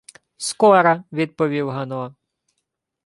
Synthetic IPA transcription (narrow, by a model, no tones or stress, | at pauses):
skɔɾɐʋʲid̪̚pɔʋʲiwɦɐnɔ